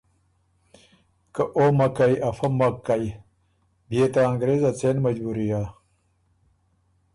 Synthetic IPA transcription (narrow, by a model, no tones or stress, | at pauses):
kɐʔomɐkajɐfɐmɐkːaj | biet̪aːŋɡɾezɐt͡senmɐd͡ʑbuɾija